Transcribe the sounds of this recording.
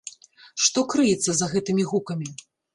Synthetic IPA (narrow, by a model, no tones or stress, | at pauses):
ʂt̪ɔkɾɨjɛt̪sːɐzɐɣɛt̪ɨmʲiɣukɐmʲi